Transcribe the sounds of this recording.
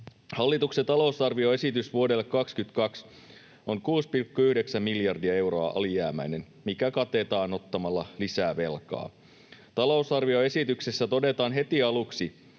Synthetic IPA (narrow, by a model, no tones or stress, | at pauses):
hɑlːit̪ukset̪ɑlo̞usɑrʋio̞e̞sit̪ysʋuodelːekːɑkskyt̪kɑks | oŋkuːspilkːuyhdeksæmmiljɑrdiɑe̞wɾo̞ɑ̰ʔɑ̰lijæːmæ̰ine̞n | mikækɑt̪e̞t̪ɑːno̞t̪ːɑmɑlːɑlisæːʋe̞lkɑ̰ː | t̪ɑlo̞usɑrʋio̞e̞sit̪yksesːæt̪o̞de̞t̪ɑːnɦe̞t̪iɑluksi